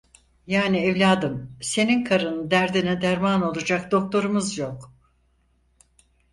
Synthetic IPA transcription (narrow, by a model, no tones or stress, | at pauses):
jaːniɛvlʲaːd̪ɯmse̞ninkʰaɾɯnɯd̪æɾd̪inɛd̪æɾmano̞lˠad͡ʒakd̪o̞k̚t̪ʰo̞ɾumɯzjo̞k